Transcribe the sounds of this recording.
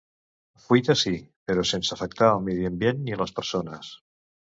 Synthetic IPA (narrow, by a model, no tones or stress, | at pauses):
fwit̪asipeɾosensafek̚t̪aβamiðjembjenːilaspeɾsonas